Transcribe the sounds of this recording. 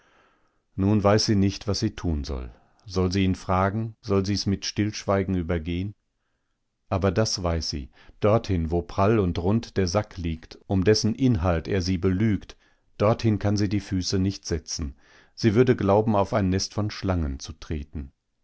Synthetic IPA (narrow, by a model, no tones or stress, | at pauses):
nuːnvaɪsz̥iːnɪçtv̥asz̥iːtʰuːnzɔ̰l | zɔlziːiːnfʁ̥aːɡŋ̩zɔlziːɛsmɪtʃtɪlʃv̥aɪɡŋ̩yːbɐɡeːən | ʔaːbɐdasv̥aɪsz̥ḭː | d̥ɔɐthɪnvoːpʁ̥alʊntʁʊntd̥eːɐzakʰliːktʔʊmdɛsn̩ʔɪnɦalteːɐziːbəlyːkt | d̥ɔɐthɪnkʰanziːdiːfyːsənɪçtz̥ɛt͡sn̩ | z̥iːvʏɐdəɡlaʊbm̩aʊfaɪnːɛstfɔnʃlaŋənt͡sutʁ̥eːtn̩